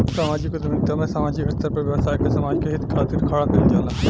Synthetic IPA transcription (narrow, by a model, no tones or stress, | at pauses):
saːmaːd͡ʒikod̪mɪnt̪amɛ̃saːmaːd͡ʒikɐt̪ɐɾpɐɾʋjɐʋsaːikesɐmaːd͡ʒkeɦɪt̪kʰaːt̪ɪɾkʰaːɽak̪ɐnd͡ʒaːlaː